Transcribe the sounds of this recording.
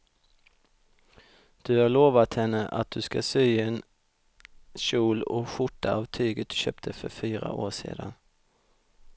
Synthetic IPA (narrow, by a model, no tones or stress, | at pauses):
d̪̥ɵhaɭoːvat̪hɛnːəʔat̪̚d̪̥ɵskasyːɛn | ɕuːlɔɧʊʈːaavt̪ʰyːɡət̪̚d̪̥ɵɕøːp̚t̪ʰəfœɾfyːɾa̰ʔoːʂḛːd̪an